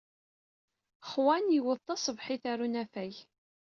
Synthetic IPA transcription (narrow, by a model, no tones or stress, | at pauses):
χwænjəwəðˤt̪ːˤɑsˤəvħiθaɾunæfæj